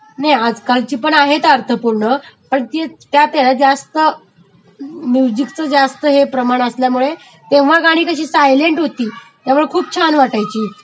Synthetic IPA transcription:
najad͡zkalt͡ɕiːpəɳaɦet̪əɾt̪ʰəpuɾɳəpəɳt̪et̪jat̪eɽat̪̚d͡zast̪ə | mud͡ʑiɡt͡səd͡zast̪əɦepɾəmaɽ̃əsljamuɭe | t̪ẽʋ̤aɡaɽ̃iːkəɕiːsajleɳʈɦot̪iːt̪jamuɭekʰuːp̚t͡ɕʰanʋaʈajt͡ɕiː

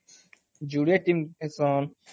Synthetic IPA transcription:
d͡ʒuːɽeːʈimesoːn

